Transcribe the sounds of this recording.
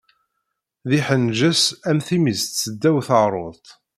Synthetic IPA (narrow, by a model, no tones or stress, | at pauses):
ðiħənʒəsæmθimizt̪t͡sːəd̪ːæwθəʁɾˤoðt̪